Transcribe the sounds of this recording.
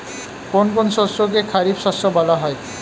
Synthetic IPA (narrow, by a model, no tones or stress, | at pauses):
konkonʃɔsok̬ekʰaɾibʃɔsobɔlaɦɔe